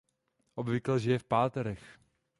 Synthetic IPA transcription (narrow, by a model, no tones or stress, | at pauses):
ʔobvɪklɛʒɪjɛfpaːt̪ɛɾɛx